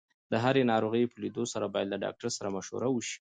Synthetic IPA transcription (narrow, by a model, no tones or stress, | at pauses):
d̪əɦaɾenɑɾoɣəjpəlid̪osaɾabɑjad̪laɖɑ̰k̚ʈaɾsaɾamaʃo̰ɾawəʃi̥